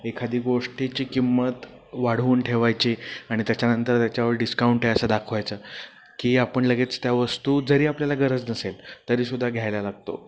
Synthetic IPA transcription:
ekʰad̪ʱiːɡoʂʈit͡ɕiːkimːət̪ | ʋaɽ̤uːnʈʰeʋajt͡ɕiaɽ̃it̪jat͡ɕanənt̪əɾt̪jat͡ɕjaʋəɾɖiskauɳʈeəsəd̪akʰʋajt͡səː | kiːapəɳləɡet͡st̪jaʋəst̪uːd͡zəɾiːapljalaɡəɾəd͡znəselt̪əɾiːsud̪ʱːaɡʱjajlalaɡ̚t̪o̰

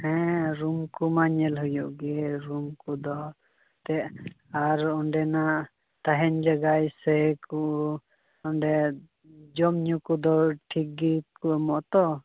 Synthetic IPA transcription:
hɛ̃ɾumkumaɲɛlɦujɔʔɡɛɾumkud̪ɔ | t̪ɛʔ | aɾɔɳɖɛnaʔ | t̪aɦɛnd͡ʒaɡajsɛkuʔ | ɔɳɖɛ | d͡ʒɔmɲukud̪ɔʈʰik̚ɡikumɔʔt̪ɔ

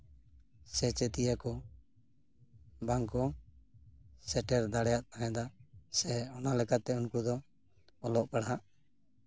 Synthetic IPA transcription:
sɛt͡ʃɛt̪ijakɔ | baŋkɔ | sɛʈɛɾd̪aɽɛjat̪̚aɦɛ̃d̪asɛɔnalɛkat̪ɛunkud̪ɔ | ɔlɔʔpɛɽɦaʔ

